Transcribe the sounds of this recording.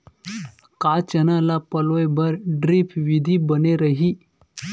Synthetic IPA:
kat͡ɕənalapəlojbəɾɖɾipʰʋid̪ʱiːbəneɾəɦiː

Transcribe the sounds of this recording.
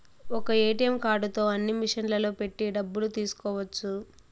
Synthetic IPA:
ɔkɐeːʈijɐmkaːɾɖut̪o̞ːɐnːimiʂɐnlɐlo̞ːpe̞ʈːiɖɐbːulut̪iːsu̥kɔːʋɐt͡ʃːu

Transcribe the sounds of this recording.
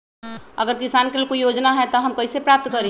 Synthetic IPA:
əɡəɾkɪsaːnkelikoijoːd͡ʒnaɦɛt̪ɔɦɐmkɐisepɾaːp̚t̪kəɾẽ

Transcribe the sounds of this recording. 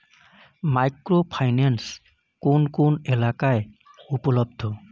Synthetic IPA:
majkɹopʰajnans | kʊnkʊnɛlakaj | upɔlɔb̚d̪ʰʱɔ

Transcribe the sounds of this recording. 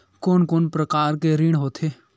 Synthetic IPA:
koːnkoːnpɾɐkaːɾkeɾiɽ̃ɦoːt̪ʰeː

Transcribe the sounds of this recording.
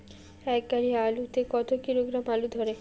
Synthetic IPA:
ɛk̚ɡaɾialut̪ekɔt̪okiɾoɡɾamalud̪ʱoɾe

